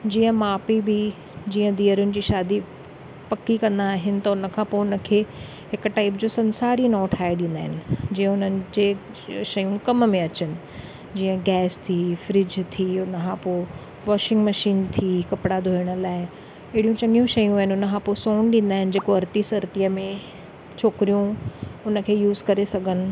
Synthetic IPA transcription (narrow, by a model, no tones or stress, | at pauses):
d͡ʑiːə̃maːpibɪ | d͡ʑiːə̃d̪iːəɾʊnɪ̆d͡ʑiːʃaːd̪i | pɐkikɐ̃nd̪aːɦɪnɪ̆t̪ɐʊnə̆kʰãːpoːʊnə̆kʰeː | ɦɪkʈaːɪpd͡ʑoːsɐnsaːɾinɔːʈʰaːeɗĩnd̪aːɦɪnɪ̆d͡ʑĩːə̃ʊnənɪ̆d͡ʑeː | ʃɐjũkɐmmẽɐt͡ɕənɪ̆ | d͡ʑiːə̃ɡɛːst̪ʰiːfɾɪd͡ʑt̪ʰiːʊnəkʰãːpoː | ʋɔːʃɪ̃ŋɡmɐʃiːnt̪ʰiːkɐpɪɽad̪ʱoːɪɽ̃ə̆laːɪ | eːɽijũt͡ɕɐ̃ŋɡijũʃɐjũaːɦɪnɪʊnəkʰãːposɔːñɗĩːn̆d̪aːɦɪnɪ̆d͡ʑeːkoɐɾt̪isɐɾt̪ijəmẽ | t͡ɕʰoːkɾijũʊnə̆kʰeːjuːzkɐɾesɐɡʱənɪ̆